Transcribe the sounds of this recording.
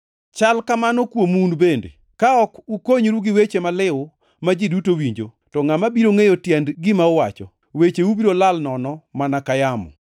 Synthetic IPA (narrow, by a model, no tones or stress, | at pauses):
t͡ʃalkamanɔkwomunbendḛ | kaɔkukoɲɾuɡɪwet͡ʃemalɪwʊ | mad͡ʒɪdutowiɲd͡ʒo | tɔŋamabiɾoŋejotjɛndɡɪmaʊwat͡ʃɔ | wet͡ʃeubiɾolalnɔnɔmanakajamɔ̰